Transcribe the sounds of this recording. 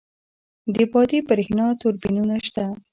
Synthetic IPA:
d̪əbɑd̪ibəɾexnɑt̪ʊɾbinunaʃt̪a

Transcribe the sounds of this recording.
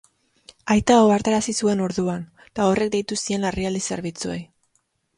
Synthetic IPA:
ajt̪aoaɾt̪aɾasisue̞no̞ɾðuan | t̪ao̞re̞k̚d̪e̞jt̪usie̞nlariald̪ise̞ɾβit͡suo̞j

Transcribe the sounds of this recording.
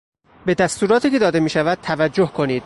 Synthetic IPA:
be̞d̪æst̪uːɾɒːt̪iːke̞d̪ɒːd̪e̞miːʃævæd̪̥̚t̪ʰævæd͡ʒːohkʰo̞niːd̪̥

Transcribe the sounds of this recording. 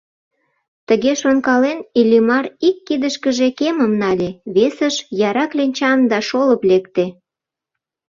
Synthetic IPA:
t̪əɣeʃonkɑlenilʲimɑrikːid̪əʃkəʒekeməmnɑlʲeβesəʃjɑɾɑklʲenʲt͡ɕɑnd̪ɑʃoləplekt̪e

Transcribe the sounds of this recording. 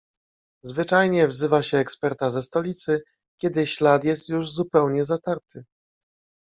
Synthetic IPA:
zvɘt͡ʂajɲɛvzɘvaɕɛːkspɛɾt̪azɛst̪ɔlʲit̪sɘ | kʲɛd̪ɘɕlat̪jɛst̪juʐzupɛwɲɛzat̪aɾt̪ʰɘ

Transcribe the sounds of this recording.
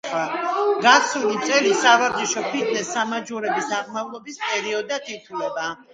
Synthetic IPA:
aɡasʰulit̪sʼɛlisavaɾd̪iʃɔpʰit̪ʰnɛsːamad͡ʒuɾɛbisaʁmavlˠɔbispʼɛɾiɔd̪at̪ʰit̪ʰulɛba

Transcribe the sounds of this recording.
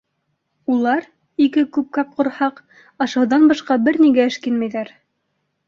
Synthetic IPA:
ulˠɑɾ | ikɘkʉp̚kɑp̚qŏɾhɑq | ɑʃɑ̆wðɑnbɑʃqɑbɘɾniɡæɘ̆ʃkinmæjðæɾ

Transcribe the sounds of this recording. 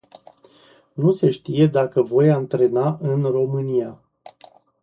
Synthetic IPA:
nuse̞ʃt̪ije̞d̪akəvo̞jant̪ɾe̞naʔɨnro̞mɨnia

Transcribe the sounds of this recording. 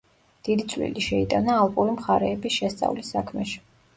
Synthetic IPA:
d̪̥id̪it̪sʼwlḭliʃɛit̪ʼanaːlˠpʼuɾimχaɾɛːbisʃɛst̪sʼa̰vlisːakʰmɛʃi̥

